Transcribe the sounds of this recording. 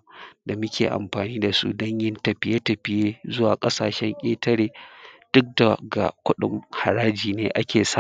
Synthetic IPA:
da˨mʊ˦kʲʰḛː˨ʔa̰˨mɸaː˨niː˦da˨sṵ˦dɔ˦ɲjɪ˦ntɐ˨ɸɪ˦je˦tɐ˨ɸɪ˦jeː˦zʊ˦waː˨kʼɐ˦saː˨ʃɛ˦ŋkʲʼeː˦tɐ˦ɽeː˨d̥ʊ˦k̚da˨ɡa̰˨kʷʊ˦ɗɪ̰˨mha˨ɾaː˦d͡ʒiː˨neː˦ʔa˦kʲeː˨sa˦

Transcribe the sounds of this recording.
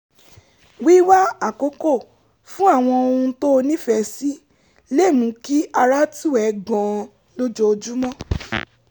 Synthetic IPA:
wi˦wa˦a˨ko˨˦ko˦˨ | fũ˦a˦˨w̃ɔ̃˧o˧ũ˧to˦o˧nĩ˦fɛ˧˨si˦ | le˦˨mũ˨˦ki˦ʔa˧ɾa˦tu˦˨ɛ˨˦ɡɔ̃˨ | lo˦d͡ʒɔ˧o˧d͡ʒu˦mɔ̃˦

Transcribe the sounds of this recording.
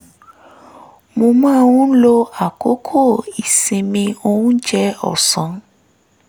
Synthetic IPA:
mõ˧mãː˦˨wũ˦lo˧a˨ko˨˦kʰo˦˨i˨sĩ˨mĩ˧o˧wũ˦d͡ʒɛ˦ɔ̰˦˨sɔ̃˨˦

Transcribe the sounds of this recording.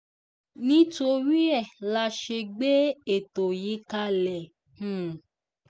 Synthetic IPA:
nĩ˦to˧ɾi˦ɛ˦˨la˧ʃe˧ɡ͡be˦e˦˨to˨ji˨˦ka˧lɛ˨ | hũ˦˨

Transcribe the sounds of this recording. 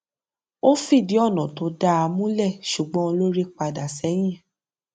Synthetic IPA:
o˦fi˦˨di˨˦ɔ˦˨nɔ̃˨to˨˧˦da˦a˧mũ˦lɛ˦˨ʃu˨ɡ͡bɔ̃˦o˧lo˦ɾi˦k͡pa˧da˨sɛ˨˦j̃ĩ˦˨

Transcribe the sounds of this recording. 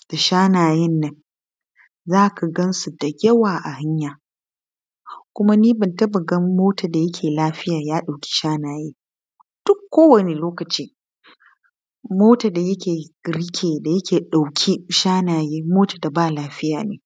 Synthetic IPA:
d̥a˨ʃaː˦naː˨jɛ˦nːɐ˦ŋ | zaː˦kʰa˨ɡɐ˦nsu˨da˨jʲɐ˦waː˨ʔa˨ha˦ɲjaː˨ | kʷʊ˦ma˦niː˦bɪ˨ntɐ˦bɐ˨ɡɐ˦mːoː˦taː˨da˨jɐ˦kʲʰeː˨laː˦ɸɪ˦jaː˨jaː˦ɗa˨wkʲi̥˦ʃaː˦naː˨jeː˦ | d̥ʊ˦kːoː˦wɐ˨ne˨loː˦kɐ˨t͡ʃiː˦ | moː˦taː˨da˨jɐ˦kʲeː˨ɡɾɪ˦kʲʰeː˨da˨jɐ˦kʲʰeː˨ɗa˨wkʲʰi˦ʃaː˦naː˨jeː˦moː˦taː˨da˨baː˦˨laː˦ɸɪ˦jaː˨neː˨

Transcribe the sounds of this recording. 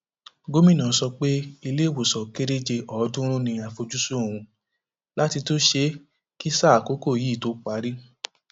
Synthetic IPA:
ɡo˦mĩ˦nãː˨˦˧sɔ˧k͡pe˦i˧le˦˨wo˨sɔ˨ke˦ɾe˦d͡ʒe˧ʔɔ˨˦dũ˦ɾ̃ũ˦nĩ˧a˨fo˧d͡ʒu˦su˦õ˦˨ũ˧ | la˦ti˧to˦ʃe˧˦ | ki˦sa˦˨ko˨˦ko˦˨jiː˨˦˨to˨˦k͡pa˨˦ɾi˦

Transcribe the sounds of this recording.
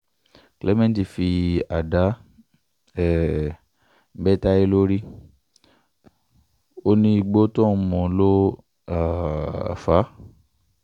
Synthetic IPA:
klɛ˦mɛ̃˦n˨ti˨fi˧a˨da˨˦ | ɛ˦˨˦ | bɛ˦ta˦e˦lo˦ɾi˦ | o˦nĩ˧i˧ɡ͡bo˦tɔ̃˦˨˦mɔ̃˨˦lo˦ | a̰˨fa˨˦

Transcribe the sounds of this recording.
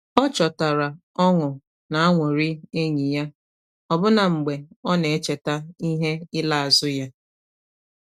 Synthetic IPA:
ɔ˦t͡ʃɔ˨ta˨ɾa˨ | ɔ˦ŋʊ˨ | na˨a˦ŋʷo˨ɾi˦e˦ɲi˨ja˦ | ɔ˨bʊ˦na˨ŋ͡m̩˨ɡ͡be˨ɔ˦ne˨e˦t͡ʃe˨ta˦i˦ɦe˦ɪ˦la˦a˨zʊ˦ja˦

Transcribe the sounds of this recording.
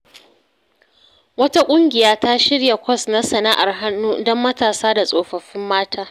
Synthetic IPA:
wɐ˦ta˦kʷʼʊ˦ŋɡʲɪ˨jaː˦ta˦ʃɪ˦ɽja˨kʷɔ˦˨sna˦sɐ˨na˦ʔa˨rɦa˦nːuː˦dɔ˦mːɐ˦taː˨saː˦da˨sʼoː˨ɸɐ˨ɸɪ˦mːaː˦tʰaː˦

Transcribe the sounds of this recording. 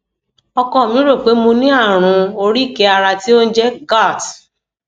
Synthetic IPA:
ɔ˧kɔ˧˨mĩ˨˦ɾo˦˨k͡pe˨˦mõ˧nĩ˦a˦˨ɾ̃ũ˧o˧ɾi˦˨ke˨˦a˧ɾa˧ti˦o˦n̩˦d͡ʒɛ˦ɡa˦˨t

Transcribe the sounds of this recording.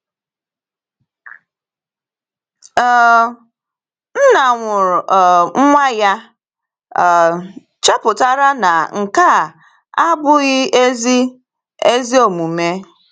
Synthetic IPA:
n̩˦na˨ŋʷʊ˨ɾŋ̩˦ŋʷa˦ja˦˨ | t͡ʃe˦pʊ˨ta˦ɾa˦na˨ŋ̩˨ka˦˨ | a˦bʊ˦ɣɪ˦e˦zi˦ | e˦zi˦o˨mu˨me˦

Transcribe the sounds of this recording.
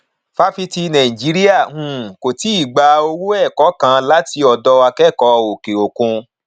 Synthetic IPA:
fa˧˦fi˧ti˧nã˨ĩ˨d͡ʒi˨˦ɾi˦a˦˨hũ˨ko˨ti˨˦i˦˨ɡ͡ba˧o˧wu˦ɛ˦˨kɔ˨˦kã˨˧˦la˦ti˧ɔ˧dɔ˧wa˧kɛ˦˨kɔ˧˦o˨ke˨o˨kũ˧

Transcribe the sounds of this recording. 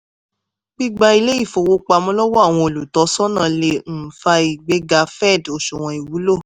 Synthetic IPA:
ɡ͡bi˦ɡ͡ba˧i˧le˦i˦˨fo˨wo˧˦k͡pa˧mɔ̃˧˦lɔ˦wɔ˦a˦˨w̃ɔ̃˧o˨lu˨tɔ˨˦sɔ˦nã˦˨le˧n̩˦˨fa˧i˨ɡ͡be˨˦ɡa˧˦fɛ˦˨do˨ʃo˨w̃ɔ̃˧i˨wu˨˦lo˦˨

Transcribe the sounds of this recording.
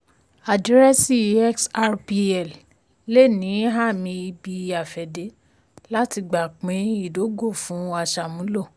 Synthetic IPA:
a˨di˨˦ɾɛ˦si˦˨ɛ˦ksa˦ɾpi˧ɛ˨l | le˦˨nĩ˨˦ɦa˦˨mĩ˧i˧bi˧a˨fɛ˨de˨˦ | la˦ti˧ɡ͡ba˨k͡pĩ˨˦i˦˨do˨˦ɡo˦˨fũ˨˦a˧ʃa˨mũ˨˦lo˦˨

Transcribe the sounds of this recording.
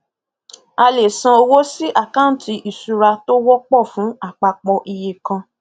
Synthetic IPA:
a˧le˨sã˧o˧wo˦si˦ʔa˦˨ka˦n̩˨tʰi˧ʔi˨su˨˧ɾa˧to˦wɔ˦k͡pɔ˦˨fũ˨˦a˦˨k͡pa˧k͡pɔ˧ʔi˧je˨kã˧

